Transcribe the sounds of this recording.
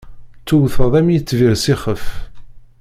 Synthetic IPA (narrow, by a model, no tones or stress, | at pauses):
t͡sːuwθəðˤæmjət͡sːviʁsiχəf